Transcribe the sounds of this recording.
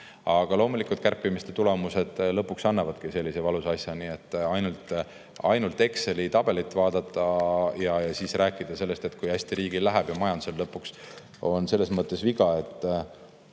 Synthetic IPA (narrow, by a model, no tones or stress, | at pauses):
ɑɡ̥ɑlo̞ːmulikːˑult̪̚kærpːˑimist̪e̞t̪ule̞muse̞d̪̥lɤ̞pːˑuksɑnːɑvɑd̪̥̚kise̞lʲːisevɑlusɑsjɑniːe̞t̪ːˑɑjnult̪ | ɑ̰jnult̪ːˑe̞kse̞lit̪ɑb̥e̞lit̪ːˑvɑːd̪̥ɑt̪ːˑɑjɑɑsiːsrʔæːkːˑid̪̥ɑse̞lːe̞st̪e̞t̪ːˑkujæsʲt̪iɾiːɡ̥ilːæɦæb̥jɑmɑjɑnd̪u̥selːɤpːˑuks | o̞nse̞lːe̞smɤt̪ːe̞sviɡ̥ɑe̞t̪ːˑ